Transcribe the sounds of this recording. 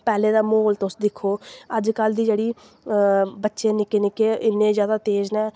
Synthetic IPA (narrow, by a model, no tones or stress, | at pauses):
pɛːlẽːd̪aːmoːlt̪ʊsd̪ɪkʰoːəd͡ʒkəld̪iːd͡ʒeːɽiː | bətːʃeːnɪkeːnɪkeːɪnːẽːzjaːd̪aːt̪eːznɛː